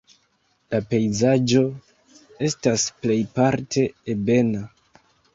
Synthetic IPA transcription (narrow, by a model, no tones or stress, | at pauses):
lape̞jzad͡ʒo̞ | e̞stasple̞jpaɾtʰe̞ːbe̞na